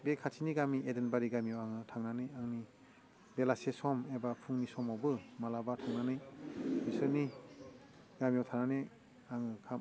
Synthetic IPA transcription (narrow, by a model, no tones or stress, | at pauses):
bekʰatʰiniɡamiʔedenbaɾiɡamiawaŋɯtʰaŋnanɯjaŋni | belasesɔmebapʰuŋnisɔmawbɯmalabatʰaŋnanɯjbisɯni | ɡamijawtʰanane | aŋɯkʰa